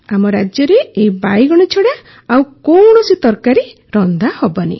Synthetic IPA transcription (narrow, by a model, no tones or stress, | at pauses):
amɔɾad͡ʒjɔɾeejbajɡɔɽ̃it͡ʃʰɔɽa | awkoɳ̃ɔsit̪ɔɾkaɾe | ɾɔnd̪ʱahɔbɔnḭ